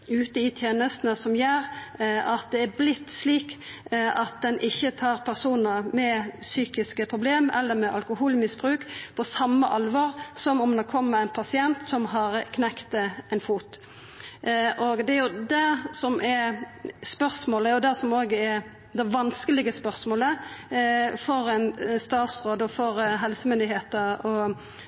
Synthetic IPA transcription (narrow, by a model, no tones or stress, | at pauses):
ʉːt̪əɪt̪ʰjeːnəst̪nəsɔmjæːɾɑt̪̚d̪ɛæblɪt̪ːsliːk | ʔɑt̪̚d̪ɛnʔɪçːət̪ʰɑːɾpʰæʁsuːnəmɛsyːkɪskəpʰɾʊbleːmɛ̰lːəɾmɛʔɑlkʊhuːlmɪsbʁʉːkpʰɔsɑmːəʔɑlʋɑːʁsɔmɔmd̪okʰɔmːəæɪnpʰɑsɪɛnt̪sɔmɦɑɾkʰnɛkt̪ɛnfuːt̪ | ʔɔɡd̪ɛæɾjʊd̪æsɔmʔɛ | spœɾsmoːləæjʊd̪æsɔmoːɡəɛɾ | d̪ɛʋɑnskəlɪɡəspœɾsmoːlə | fɔɾæɪnst̪ɑːt̪sʁoːd̪ɔfɔɾɦɛlsəmʏnd̪ɪɦeːt̪əɾɔ